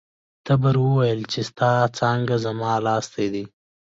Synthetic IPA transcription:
t̪abəɾwəwajəlt͡ʃest̪ɑt͡sɑŋɡazamɑːlɑst̪ad̪i

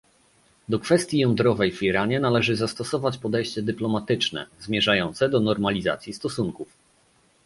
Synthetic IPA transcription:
d̪ɔkfɛst̪ʲjijɔnd̪ɾɔvɛjviɾaɲɛnalɛʐɘzast̪ɔsɔvat͡ɕpɔd̪ɛjɕt͡ɕɛd̪ɘplɔmat̪ɘt͡ʂnɛ̰zmʲjɛʐajɔnt̪sɛd̪ɔnɔɾmalʲiza̰t̪sʲjist̪ɔsuŋkuf

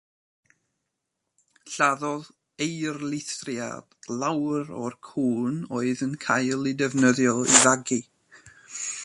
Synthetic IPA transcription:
ɬaðɔð | ejrlˠɪθrja̰d̥lˠawɾɔ̰rkʰuːnoːɨðənkʰajlˠɪdɛvnəðjɔivaɡi

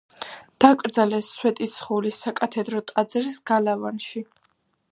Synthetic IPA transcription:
d̪̥akʼɾd̪zalɛsːwɛt̪ʼisχulisakʼat̪ʰɛd̪ɾɔt̪ʼad̪zɛɾisɡalavanʃi

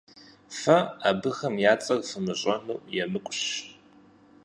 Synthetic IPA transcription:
fɐaːbɨxɐmjaːt͡sʼɐrfɨmɨʑʼɐnuwjɛmɨkʷʼɕ

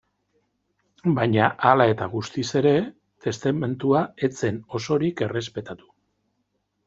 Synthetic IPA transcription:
bajɲaʔalae̞t̪aɣust̪ise̞ɾe̞ | t̪e̞st̪ame̞nt̪uae̞t͡se̞no̞so̞ɾike̞re̞spe̞t̪at̪u̥

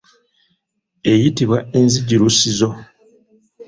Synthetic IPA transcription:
e̞jitiβwaenziɟiɾusizo̞

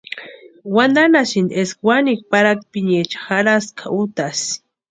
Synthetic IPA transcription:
wand̪anasind̪eskwanik̚paɾak̪̚piɲet͡ʃḁxaɾaskʰaʔut̪as

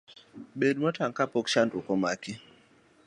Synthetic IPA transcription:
ɓedmɔtaŋkapokʃantukɔmaki

